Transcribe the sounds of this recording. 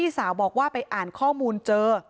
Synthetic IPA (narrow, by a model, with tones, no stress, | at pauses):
iː˥˩saː˩˦wbɔː˨˩k̚waː˥˩pa˧jʔaː˨˩nkʰɔː˥˩muː˧nt͡ɕɤː˧